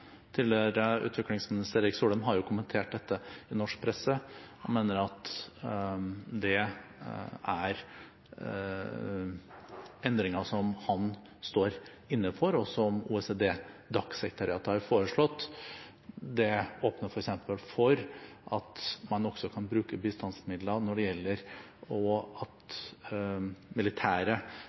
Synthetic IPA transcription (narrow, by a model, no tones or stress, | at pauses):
t̪ʰiːlɛɾəʉ̰ːt̪ʰʋɪklɪŋsmɪnɪst̪əɾɛːɾɪksuːləmɦɑɾjʊkʰʊmənt̪ʰeːʈ̚d̪ɛt̪ʰːəɪnɔʂk̚pʰɾɛsəhɑ̰nmeːnəɾɑt̪ | d̪ɛ | æɾ | ɛnd̪ɾɪŋəʂɔmhɑn | st̪oːɾ | ɪnːəfɔɾɔsɔɔmṵɛsed̪eːd̪ɑksɛkɾət̪ʰɑɾɪɑːt̪əhɑɾfoːɾəʂɭɔt̪ː | d̪ɛoːpnəɾfɔɾɛksɛmpəlfɔɾʔɑt̪mɑnɔɡsɔkʰɑnbɾʉːkəbɪst̪ɑnsmɪd̪lɑnɔɖɛjɛlːəɾ | ɔɑt̪ | mɪlɪt̪ʰæːɾə